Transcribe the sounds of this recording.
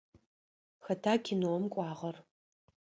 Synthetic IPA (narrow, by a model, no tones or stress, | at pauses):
xɐtʰaːkʲʰɪnuwɔmkʷʼɑːʁɐr